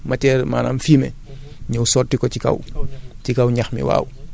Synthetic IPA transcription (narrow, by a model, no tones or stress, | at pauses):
matɛːɾma̰ːna̰mfiːmɛ̰ | ɲuwsɔːrtikɔcika̰wcikawɲaxmḭwa̰ːw